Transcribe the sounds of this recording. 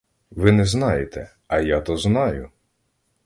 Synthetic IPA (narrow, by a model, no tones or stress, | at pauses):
ʋɪnɛznɑjet̪ɛ | ɐjat̪ɔznɑjʊ